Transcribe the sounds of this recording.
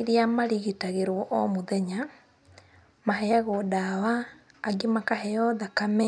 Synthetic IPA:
iɾiamaɾiɣitaɣeɾwɔʔɔmoðɛɲa | mahɛaɣodawaː | ɡimakahɛjɔðakamɛ

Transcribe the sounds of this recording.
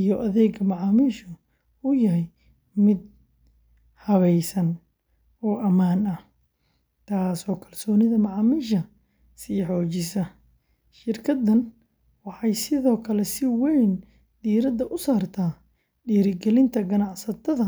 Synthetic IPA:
ijɔʔɐðɛːɡmɐʕɑːmiːʃʊ | ʊjɐɦɛj | mɪd̪̚ | hɐβɛjsɐn | ɔːʔɐmaːnɐ | t̪ʰaːsɔːkʰɐrsɔːnɪðɐmɑʕɑːmiːʃɐ | siːħɔːt͡ʃɪsɐ | ʃɪrkʰɐd̪ɐn | wɑħɑjsɪðɔːkʰɐlɛsɪwɛjn | d̪̥iːɾɐd̪ɐʔʊsaːrt̪ʰaː | ɖiːɾɪɡɛlɪnt̪ʰɐɡɐnɑʕsɐt̪ʰɐðɐ

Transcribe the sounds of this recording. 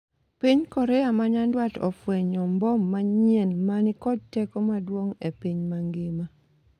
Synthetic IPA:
piɲkɔɾɛjamaɲandwatɔ̰fweɲɔmbɔmːaɲenmanɪkɔd̚tɛkomadwoŋepiɲmaŋɡɪma

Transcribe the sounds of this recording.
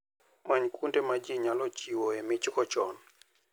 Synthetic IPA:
maɲkʰundemad͡ʒiɲalɔt͡ʃiwoemit͡ʃikɔt͡ʃɔ̰n

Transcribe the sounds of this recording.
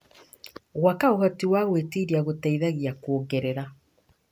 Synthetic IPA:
ɣwakaoɣɔtiwaɣwetiɾiaɣotaiðaɣiakwoŋɡɛɾɛɾa

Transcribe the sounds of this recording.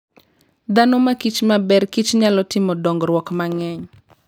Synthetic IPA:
d̪anomakit͡ʃmabɛrkit͡ʃɲɪalɔtɪmɔdɔŋɡɾwɔkmaŋɛɲ

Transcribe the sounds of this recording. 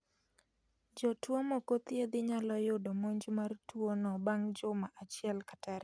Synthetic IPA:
d͡ʒɔtwomɔkot̪jed̪ɪɲalɔjʊdomoɲd͡ʒmartwonɔbaŋd͡ʒʊmaʔat͡ʃɪɛlkataɾ

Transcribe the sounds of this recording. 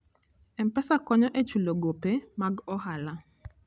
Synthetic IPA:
ɛmpɛsakɔɲɔʔet͡ʃuloɡopemaɡɔhala

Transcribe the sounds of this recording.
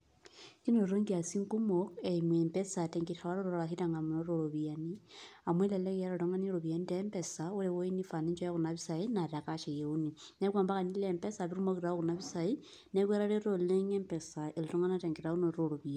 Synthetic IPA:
kinoɾoŋɡiasiŋkumokeimwempesateŋɡiawaɾoɾoɾoɾaɦitaŋɡamunoɾoɾoβianiamweleleɣiaɾotoŋaniɾoβjanitempesaulewoinifaniɲt͡ʃojaɣunaβisainaɾakaʃejeuni | nekwaːmbakanilempesaβiɾumoɣiɾaoɣunaβisai | nekweɾaɾeɾoleŋempesaelotoŋanateŋɡeɾaunoɾoɾoβia

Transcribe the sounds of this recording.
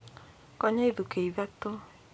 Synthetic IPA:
kɔɲaiðukeiβɛto

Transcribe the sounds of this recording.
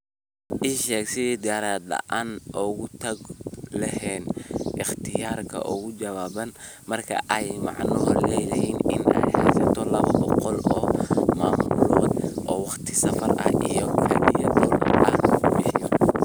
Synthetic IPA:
ʔɪʃɛːksɪd̪ɪaɾaːd̪ɐ̰ʔaːnʔɔɣʊt̪ʰɐɡlɐhɛːnʔɪχt̪ʰɪjaːrkʰɐ̰ʔʊɣʊd͡ʒɐβaːbɐn | mɐrkʰɐ̰ʔɛjmɑ̰ʕnɔhɔlɛjlɐinɪ̰nɛ̰jhɛjsɐt̪ʰɔlɐβɐbɔqɔlɔːmaːmʊlblɔd̪ʔɔːwɑqt̪ʰɪsɐfɐrʔɐ̰hḭjɔkʰɐʔijd̪ɔlʔɐnɣʊbɪħɪjɔ

